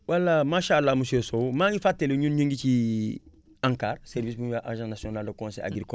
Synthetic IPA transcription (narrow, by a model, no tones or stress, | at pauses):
wʔalːamaʃaːlːamusesomãɲifatːeleɲũnɲũŋɡit͡ʃi | ãŋkaːɾseɾvisbũjaʔaʒãnasionaldakõnsḛa̰ɡiɾko